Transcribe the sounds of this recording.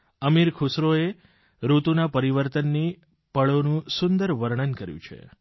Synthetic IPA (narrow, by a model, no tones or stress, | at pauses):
əmiɾkʰusɾoe | ɾut̪unapəɾiʋəɾt̪ənːi | pəɭonũsʊnd̪əɾʋəɾɳ̃ənkəɾjṵ̃t͡ʃʰḛ